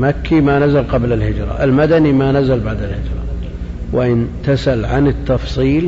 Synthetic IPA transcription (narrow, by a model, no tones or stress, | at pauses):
makːimanazalqɑblalhɪd͡ʒɾˤɑ̰ʔɪlmad̪animanazalbaʕd̪alhɪd͡ʒɾˤɑ̰ | wʔɪʔɪnt̪asalʕanɪt̪ːɑfsˤiːl